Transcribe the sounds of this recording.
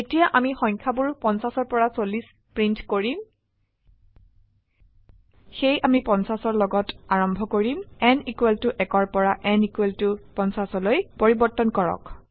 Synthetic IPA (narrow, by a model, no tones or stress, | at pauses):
etijaʔamixɔjŋkʰabuɹpɔnsasɔɹpɔɹasolis | pɹintkoɹim | xejamipɔnsasɔɹlɔɡɔtaɹɔmbʱɔkoɹimɛnikweltʊʔɛkɔɹpɔɹaʔɛnikweltʊpɔnsasɔlojpoɹibɔɹtːɔnkɔɹɔ̰k